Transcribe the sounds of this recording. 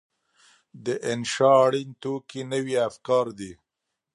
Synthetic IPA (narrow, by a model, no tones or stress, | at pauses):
d̪əʔɪnʃɑːɽint̪okinəwiafkɑɾd̪i